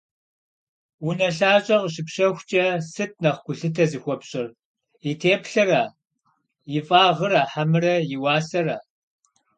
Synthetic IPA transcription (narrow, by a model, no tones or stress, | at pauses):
wʊnɐɬaːɕʼɐʁɕɨpɕɐxʷt͡ʃʼɐsɨt̚nɐχkʷʊɬɨtʰɐzɨxʷɔpɕʼɪr | itʰeːpɬɨraː | jɪfʼaːʁəɾaːħamɨrɐjɪwɑːsɐraː